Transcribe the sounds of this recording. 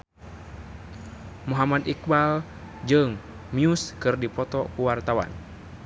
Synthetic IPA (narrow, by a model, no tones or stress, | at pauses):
muɦamad̪ik̚bal | d͡ʒɨŋ | miuskɨrdipɔt̪ɔkuwart̪awa̰n